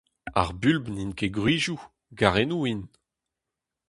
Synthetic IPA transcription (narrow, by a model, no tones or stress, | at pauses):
a̰ʁbylbninkeɡʁiːʒu | ɡaʁenuin